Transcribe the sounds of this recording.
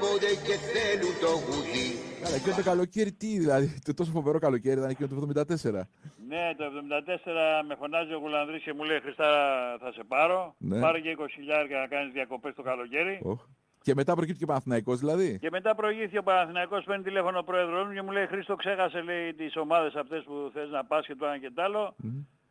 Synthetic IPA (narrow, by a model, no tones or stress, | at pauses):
od̪eceθelut̪oɣut̪ikɐlɐcinot̪okɐlo̞ceɾit̪iðilɐðit̪ot̪o̞s̬ofo̞ve̞ɾo̞kɐlo̞ce̞ɾit̪ɐnecinot̪evðo̞mind̪ɐt̪e̞se̞ɾɐne̞t̪o̞e̞vðo̞mind̪ɐt̪e̞se̞ɾɐme̞fo̞nɐzio̞ɣulɐnðɾisce̞muleixɾist̪ɐɾɐθɐse̞pɐɾo̞ne̞pɐɾoceiko̞si̥çiʎɐeɾkɐnɐkɐnizðiɐko̞pe̞st̪o̞kɐlo̞ce̞ɾiox | ce̞me̞t̪ɐpɾocipt̪i̥cepɐnɐnθinɐiko̞zðilɐðice̞me̞t̪ɐpɾo̞iʝip̚t̪ico̞pɐnɐnθinɐiko̞speɾnit̪ile̞fo̞nopɾo̞e̞ðɾo̞zmuce̞mule̞ixɾist̪o̞kse̞xɐse̞le̞it̪iso̞mɐðe̞sɐfot̪e̞spuθelznɐpɐscet̪oɐce̞t̪ɐlo̞